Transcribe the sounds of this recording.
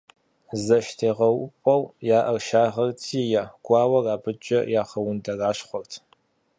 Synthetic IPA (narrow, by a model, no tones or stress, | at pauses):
zɐʃtʰeːʁɐwʊpʼɐwjaːʔɐrʃaːʁɐrtʰiːjaɡ̥ʷɑːwɐraːbɨt͡ʃʼɐ̰jaːχɐwʊndɐraːʃχʷɔrtʰ